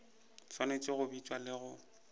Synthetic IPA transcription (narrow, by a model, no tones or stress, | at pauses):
swanet͡ʃʼɪɣʊbit͡ʃʼwalɪɣʊ